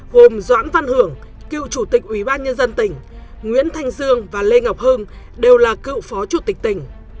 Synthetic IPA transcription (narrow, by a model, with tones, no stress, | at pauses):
ho˨˩mzwa̰ː˧˥nva˧nhɨ˨˧˩əŋ | kḭ˧˨wt͡ɕu˧˩t̪i˨˩k̚ʔwi˧˩ɓaː˧nɲə˧nzə˧nt̪ï˧˩ŋ̟ | ŋwḭ˧˥ənt̪ʰa˧jŋ̟zɨ˧əŋvaː˨˩le˧ŋa˨˩wk͡p̚həː˧n | ɗe˨˩wlaː˨˩kḭ˧˨wfɔ˨˦t͡ɕu˧˩t̪i˨˩k̚t̪ï˧˩ŋ̟